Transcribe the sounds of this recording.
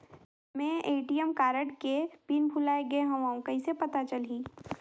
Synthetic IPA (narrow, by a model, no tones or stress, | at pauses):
mɛ̃eːʈijəmkaːɾəʈkepiːnbʱulaːeɡəeɦɐ̃ʋãõkɐisepɐt̪at͡ʃɐlɦiː